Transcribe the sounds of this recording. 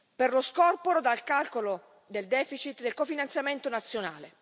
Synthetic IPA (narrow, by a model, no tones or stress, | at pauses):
perloskɔrpoɾod̪alkalkolo | d̪eld̪ɛːfit͡ʃit̪d̪elkofinant̪sjament̪onat̪sːjonaːle